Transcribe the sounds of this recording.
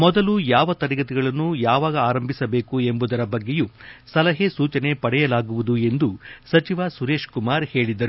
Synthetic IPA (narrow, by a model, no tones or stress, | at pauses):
mɔd̪ɐlujaːʋɐt̪ɐɾiɡɐt̪iɡɐɭɐnːujaːʋaːɡɐaːɾɐmbʱisɐbe̞ːkue̞mbud̪ɐɾɐbɐɡːejusɐlɐɦesuːt͡ʃɐne̞pɐɽɛjɐlaːɡuʋud̪ue̞nd̪usɐt͡ʃiʋasuɾe̞ːʂkumaːɾhe̞ːɭid̪ɐɾu